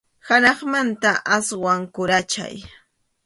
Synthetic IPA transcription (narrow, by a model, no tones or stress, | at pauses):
hanɑχmant̪aʔaswaŋkʊɾat͡ʃa̰j